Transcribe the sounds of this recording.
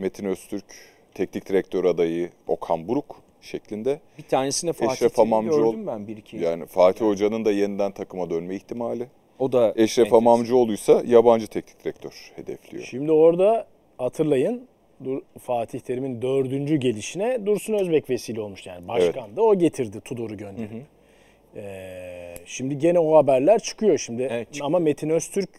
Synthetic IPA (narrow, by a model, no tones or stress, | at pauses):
me̞t̪ʰinøst̪ʰyɾc | t̪ʰɛcnic̚t̪iɾɛc̚t̪ʰøɾad̪ajɯo̞̰kʰanbuɾuk | ʃeclʲind̪ɛbit̪ʰaːnesinɛfɛʃɾafamamd͡ʒuombænbiɾʰjaːnifaːt̪ʰiho̞d͡ʒanɯnd̪ajenind̪ænt̪ʰakʰɯmad̪ønmɛiçt̪ʰimaːlʲɪ | od̪aɛʃɾafamamd͡ʒɯo̞lˠujsajaband͡ʒɯt̪ʰɛcni̥c̚t̪ʰɾɛc̚t̪ʰøɾ̥he̞d̪ɛ̰flʲḭjoʃʃimd̪io̞ɾd̪a | hat̪ʰɯɾlˠajɯn | d̪uɾfaːt̪ʰiçlʲe̞ɾimind̪ø̞ɾd̪ynd͡ʒyɟe̞lʲiʃinɛd̪uɾsunøzbɛcve̞siːlʲio̞lˠmuʃja̰ːnibaʃvɛkand̪ao̞ɟe̞t̪ʰiɾd̪it̪ʰud̪o̞ɾuɟø̞nd̪eɾ | ɛːʃimd̪iɟe̞nɛohabæɾlʲæɾt͡ʃʰɯ̥kʰɯjo̞ʃimd̪ɪamamet̪ʰinøst̪ʰyɾc